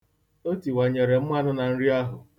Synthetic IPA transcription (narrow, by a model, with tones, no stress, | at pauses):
o˦ti˨wa˨ɲe˨ɾe˨m̩˦mʷa˦nʊ˦na˨n̩˦ɾi˦a˦ɦʊ˨